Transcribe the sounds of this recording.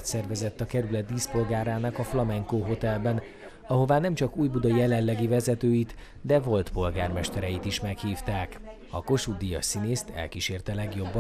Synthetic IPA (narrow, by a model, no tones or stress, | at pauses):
t̪sɛrvɛzɛt̪ːɒkɛɾylɛt̪̚d̪iːspo̞lɡaːɾaːnɒkɒflɒmɛŋkoːɦo̞t̪ɛlbɛn | ɒɦo̞vaːnɛmt͡ʃɒkuːjbud̪ɒjɛlɛnlːɛɡivɛzɛt̪øːjit̪ | d̪ɛvo̞lt̪po̞lɡaːrmɛʃt̪ɛɾɛjit̪iʃmɛkhiːft̪aːk | ɒ̰ko̞ʃud̪ijɒ̰sineːst̪ʰɛ̰lkiʃeːrt̪ɛlɛɡjo̞bːɒ